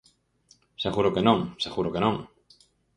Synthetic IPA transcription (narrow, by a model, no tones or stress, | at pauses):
seɣuɾʊkenõŋseɣuɾʊkenõŋ